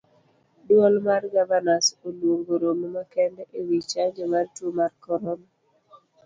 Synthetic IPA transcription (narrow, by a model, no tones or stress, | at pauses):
dwɔlmarɡavanasolwoŋɡoɾommakɛndɛʔewit͡ʃaɲd͡ʒɔmartumarkɔɾɔna